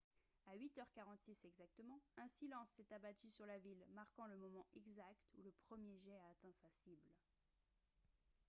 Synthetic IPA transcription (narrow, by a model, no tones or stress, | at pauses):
aɥit̪œʁkaʁɑ̃t̪sisɛɡzak̚t̪əmɑ̃ɛ̃silɑ̃sɛt̪abat̪ysyʁlavilmaʁkɑ̃ləmɔmɑ̃ʔɛɡzakt̪uləpχəmjeʒɛaːt̪ɛ̃sasibl